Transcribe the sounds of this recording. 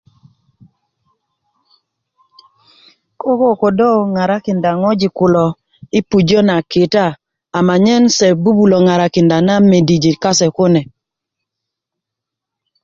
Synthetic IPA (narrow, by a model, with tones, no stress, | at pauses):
ko˦ko˦ko˨do˦ŋa˨ɾa˦kɪ˨nda˨ŋɔ˦d͡ʒɪ˨kʊ˨lɔ˨ | ɪ˦pu˨d͡ʒo˦na˨kɪ˨taː˦˨ | ma˨ɲɛ˦nsɛ˨bu˦bu˨lo˨ŋa˨ɾa˨kɪ˨nda˨na˦me˨di˨d͡ʒi˨ka˦sɛ˨kʊ˦nɛ˨